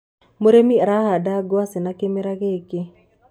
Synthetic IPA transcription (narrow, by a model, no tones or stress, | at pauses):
moɾemiɾahadaɡwasɪnakemeɾaɣeke